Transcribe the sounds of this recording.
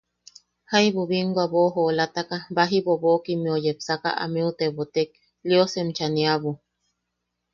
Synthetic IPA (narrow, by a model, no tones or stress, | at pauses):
hajβuβiŋɡwaβoɦolat̪akabaɦiβoβokimiojepsaka̰ʔa̰miut̪eβot̪ek̚ | liosemt͡ʃaniaβu